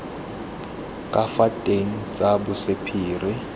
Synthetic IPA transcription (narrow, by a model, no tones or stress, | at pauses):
kʼafatʼeŋ̩t͡sʼabʊsɪpʰiːrɪ